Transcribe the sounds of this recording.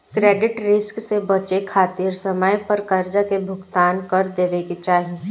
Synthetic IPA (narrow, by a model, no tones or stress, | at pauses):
kɾeːɖɪʈɾɪsksebɐt͡ʃekʰaːt̪iːɾsɐməjpɐɾkɐɾd͡ʒakebʱʊɡt̪aːnkɐɾd̪eːʋekit͡ʃaːɦi